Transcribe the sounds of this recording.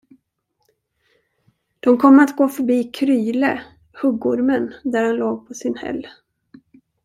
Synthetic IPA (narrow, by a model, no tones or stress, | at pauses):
d̪̥ɔmkʰɔmːəɾat̪ɡoːfœɾbiːkʰɾyːlə | hɵɡːʊɾmənd̪æɾhanloːɡ̚pʰɔsɪnhɛ̰lː